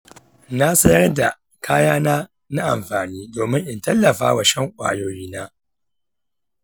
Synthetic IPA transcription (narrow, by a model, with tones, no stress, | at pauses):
na˦sɐ˦jɐ˦rda˨ | kʰaː˦jaː˦naː˦ | na˦ʔa˨mɸaː˨niː˦doː˨mɪ˦ŋʔɪ˨ntɐ˦lːɐ˨ɸa̰ː˦wa˨ʃɐ˦ŋkʷʼa̰ː˨joː˦jiː˦naː˦